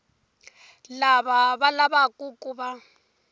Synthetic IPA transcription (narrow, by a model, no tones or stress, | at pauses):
laβaβalaβakʼukʼuβa